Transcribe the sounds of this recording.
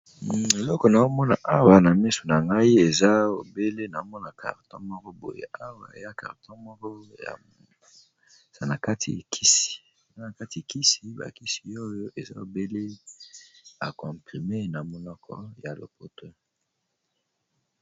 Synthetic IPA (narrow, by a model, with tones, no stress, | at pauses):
e˨lɔ˦kɔ˨na˨o˦mɔ˦na̰˨ʔa˦wa˨na˨mi˦so̥˨na˨ŋɡa˦i˦e˨za˦o̰˨be˦le˦na˨˦mɔ˦na˨kʰa̰˨ʁtɔ̰̃˦mɔ˦kɔ˦bo̰˨jḛ˦ʔa˦wa̰˨ḛ˨ja˦ka̰˨ʁtʰɔ̃˦mɔ˦kɔ˦ja̰˨ | za˨na˨ka˦tʰḭ˨kʰi˦si̥˨ | a˦na˨ka˦ti˨ki˦si˨ba̰˨ki˦si̥˨o˦jo˦ʔe˨za̰˦o˨be˦le˦ | a̰˨kɔ̃˨pʁi˨me˦na˨mɔ˨lɔ˦kʰɔ̰˦ja˨lo̰˨po˦to˦